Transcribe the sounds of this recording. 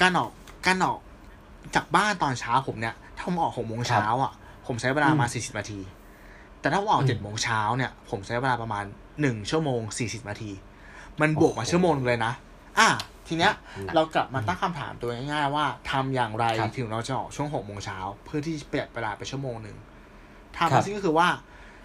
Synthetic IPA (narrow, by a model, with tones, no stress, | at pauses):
kaː˧nʔɔː˨˩k̚ | kaː˧nʔɔː˨˩k̚ | t͡ɕaː˨˩k̚baː˥˩nt̪ɔː˧nt͡ɕʰaː˦˥wpʰo˩˦mni˦˥˩ɐt̪ʰaː˥˩pʰo˩˦mʔɔː˨˩kho˨˩k̚moː˧ŋt͡ɕʰaː˧˦˥wʔa˨˩ | pʰo˩˦mt͡ɕʰa˦˥we˧daː˧maː˧nsiː˨˩si˨˩p̚aː˧t̪ʰiː˧ | t̪ɛː˨˩tʰaː˥˩˦ʔɔː˨˩t͡ɕe˨˩t̪̚moː˧ŋt͡ɕʰaː˦˥wni˥˩ɐpʰo˩˦mt͡ɕʰa˦˥jwe˧daː˧pɾa˧maː˧nː | ɯ˨˩ŋt͡ɕʰu˥˩əmoː˧ŋsiː˨˩si˨˩t̪̚naː˧t̪ʰiː˧ | ma˧nbu˨˩ək̚maː˧t͡ɕʰu˥˩əmoː˧ŋn˧ŋlɤː˧jna˦˥ | ʔaː˧˩t̪ʰiː˧ni˦˥ɐɾa˧wkla˨˩p̚maː˧t̪a˥˩ŋkʰa˧mt̪ʰa̰ː˩˦mt̪u˧ɐjŋa˥˩jŋaː˥˩jwaː˥˩t̪ʰa˧mjaː˨˩ŋɾa˧jjt̪ʰɯ˩˦ŋɾa˧wt͡ɕa˨˩ʔɔ̰ː˨˩k̚t͡ɕʰu˥˩əŋɦo˨˩k̚moː˧ŋt͡ɕʰaː˦˥wpʰɯ˥˩ɐt̪ʰiː˥˩t͡ɕa˨˩pi˨˩ət̪̚weː˧daː˧pe˧nt͡ɕʰu˥˩ə˨moː˧ŋnɯ̰˧˩ŋ | t̪ʰa˧maː˧˥skɔː˥ɯ˧waː˥˩